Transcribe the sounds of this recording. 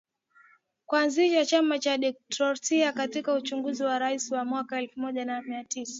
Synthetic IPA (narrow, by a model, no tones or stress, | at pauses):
kwuanziʃat͡ʃamat͡ʃaɗɛk̚tɔsiakatikaut͡ʃuŋɡuziwaɾaisiwamwakaɛlfumɔʄanamiatisḁ